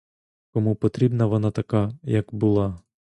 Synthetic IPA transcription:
kɔmupɔt̪ɾʲibnɐʋɔnɑt̪ɐkajɐkbʊlˠɑ

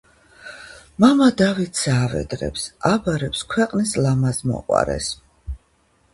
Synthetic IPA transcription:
mamad̪avit̪ʰsaːvɛ̰d̪ɾɛ̰psabaɾɛpskʰwɛqʼnislamazmɔ̰qʼwa̰ɾɛ̰s

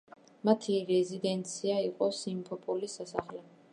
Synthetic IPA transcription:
mat̪ʰiɾɛzid̪ɛnt̪sʰiaiqʼɔsimpʰɔpʼulisasaχlɛ

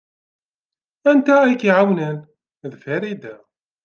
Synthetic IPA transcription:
ænt̪ææjkiʕawnən | ðfæɾid̪æ

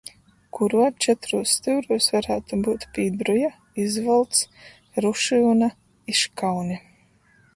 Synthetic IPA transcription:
kʰuɾuɔt͡ʃɛt̪ɾuːsːt̪ɨwɾuɔsvaɾaːt̪ubuːt̪piːd̪ɾuja | izvɔlˠt̪s | ɾuʃiwna | iʃkawnʲi

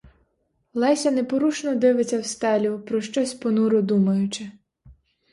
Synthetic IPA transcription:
lˠɛsʲɐnepɔɾuʃnɔd̪ɪʋɪt͡sʲːɐwst̪ɛlʲʊpɾɔʃt͡ʃɔsʲpɔnuɾʊd̪umɐjʊt͡ʃɪ

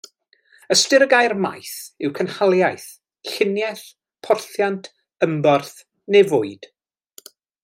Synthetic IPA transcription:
əstɪɾəɡajrma̰jθɪwkʰənhalˠjajθ | ɬɪnjɛθ | pʰɔrθjantʰ | əmbɔrθ | nevʊɨd̥

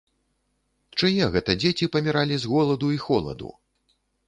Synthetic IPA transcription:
t͡ʂajɛɣɛt̪ɐd͡zʲet͡sʲipɐmʲiɾalʲizɣɔlˠɐd̪uixɔlˠɐ̰d̪ṵ

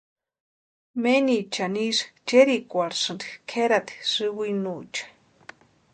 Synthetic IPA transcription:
menit͡ʃaniʂt͡ʃeɾikʷaɾsɨnd̪ikʰeɾat̪i̥sɨwɨinut͡ʃḁ

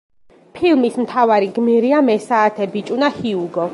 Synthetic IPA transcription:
pʰilˠmismt̪ʰavaɾiɡmiɾiamɛsaːt̪ʰɛbit͡ʃʼunahiuɡɔ

